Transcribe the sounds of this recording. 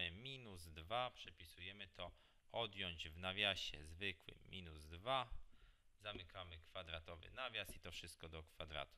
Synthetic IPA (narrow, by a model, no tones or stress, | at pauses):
ɘmʲinuzd̪vapʂɛpʲisujɛmɘt̪ʰɔ | ɔd̪jɔɲd͡ʑvnavʲjaɕɛ̰zvɘkwɘ̰mʲinuzd̪va | zamɘkamɘkfad̪ɾat̪ɔvɘ̰navʲjasit̪ɔfʂɘst̪̚kɔd̪ɔkfad̪ɾa̰t̪u̥